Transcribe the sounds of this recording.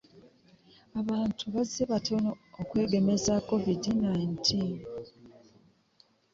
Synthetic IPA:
aβaːntʰuβazeβatʰo̞no̞okwe̞ːɡe̞me̞zako̞vidinaintʰiːn

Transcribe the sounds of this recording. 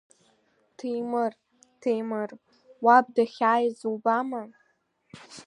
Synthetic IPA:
tʰejmɨr | tʰejmɨr | wabdaχʲaːjzuwbama

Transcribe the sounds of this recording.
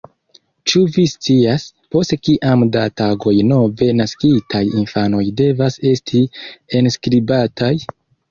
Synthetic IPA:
t͡ʃuvist͡siaspo̞stkiʔamdataɡo̞jno̞ve̞naskitʰajinfano̞jde̞vase̞stʰie̞nskɾibatʰaj

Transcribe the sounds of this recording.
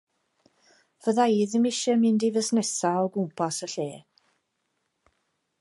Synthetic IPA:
vəðaiːðɪmɪʃɛmɪndivəsnɛsaɔɡʊmpʰasəɬeː

